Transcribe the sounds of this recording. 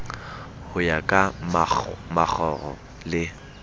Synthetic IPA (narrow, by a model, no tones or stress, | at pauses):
hʊjakʼa | mak͡xʰɔrɔ̰ | lɪ